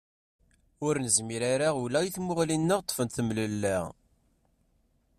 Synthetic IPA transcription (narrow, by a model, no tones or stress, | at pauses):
ʊɾnəzmiɾaɾaʁulæjiθmʊʁlinːəʁt̪ˤːfənt̪θəmləlːæ